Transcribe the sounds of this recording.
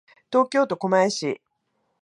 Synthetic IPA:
t̪o̞ːkʲo̞ːt̪o̞ko̞maeɕḭ

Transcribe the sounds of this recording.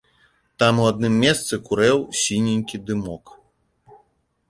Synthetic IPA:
t̪amuad̪nɨmːʲɛst̪sɨkuɾɛwsʲinʲinʲkʲid̪ɨmɔk

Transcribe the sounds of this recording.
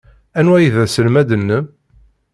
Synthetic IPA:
ænwæjiðæsəlmæd̪ənːəm

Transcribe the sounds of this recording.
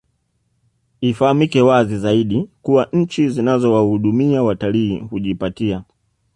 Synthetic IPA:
ifahamikɛwazizaiɗikuwaɲ̩t͡ʃizinazɔwahuɗumiawataliːhuʄipatia

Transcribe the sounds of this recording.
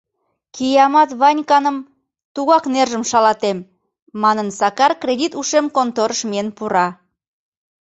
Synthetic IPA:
kijɑmɑt̪βɑnʲkɑnəm | t̪uɣɑknerʒəmʃɑlɑt̪emː | ɑnənsɑkɑrkrʲedʲit̪uʃemkont̪oɾəʃmienpuɾɑ

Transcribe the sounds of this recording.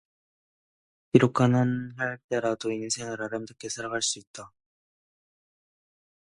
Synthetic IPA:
kiɾokʰananɦaɭt͈e̞ɾadoinːɯnsʰeŋɯɾaɾɯmtɯkʰesʰaɾakʰaɭs͈uit̚t͈a

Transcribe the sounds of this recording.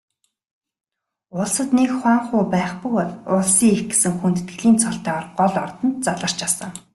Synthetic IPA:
ʊɮsə̆t̪nekχwaːŋχʊːpæːχpɵkɔɮʊɮsiːŋexɡe̥sɘ̆ŋxunt̪ɘ̆t̪ɡɘ̆ɮiːnt͡sʰɔɬt̪æːɔrɢɔɮɔrt̪ɞ̆nt̪̚t͡saɮə̆r̥t͡ɕasə̆ŋ

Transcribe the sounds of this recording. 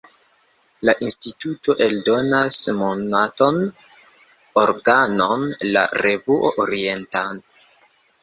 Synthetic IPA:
laʔinstituto̞ʔe̞ldo̞nasmonato̞n | oɾɡanonla̰ɾe̞vuʔoʔoɾie̞ntan

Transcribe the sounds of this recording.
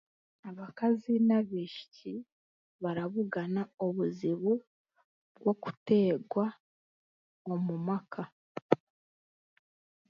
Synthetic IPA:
aβakazinaβiʃi̥ci | βaɾaβuɡanaoβuziβu | ɡwo̞ku̥te̞ːɡwa | omumakʰa

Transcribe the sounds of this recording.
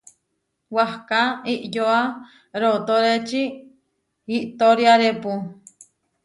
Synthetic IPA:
wahkaiʔjoa | ɾot̪oɾet͡ʃi | iʔt̪oɾjaɾepu

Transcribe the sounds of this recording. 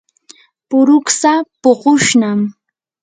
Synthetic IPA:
pʊɾʊksapoɢʊʃnam

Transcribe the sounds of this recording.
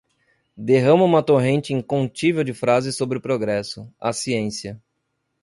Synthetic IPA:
d̪eɦɐ̃mɐũmɐt̪oɦẽnt͡ʃɪĩŋkõt͡ʃivewd͡ʒɪfɾazɪsːobɾɪʊpɾoɡɾɛsʊasiẽsiɐ

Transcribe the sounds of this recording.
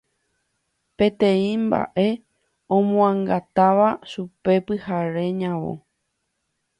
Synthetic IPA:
pe̞t̪ẽ̞ĩmba̰ʔe̞ | õmõãŋɡat̪aʋaʃupe̞pɨhaɾe̞ɲãʋo̰

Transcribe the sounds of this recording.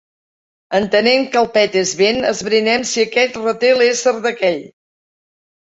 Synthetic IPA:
ənt̪əneŋkəlˠpɛt̪ezβenə̰zβɾinɛmsiəkɛt̪rət̪elˠesəɾðəkɛʎ

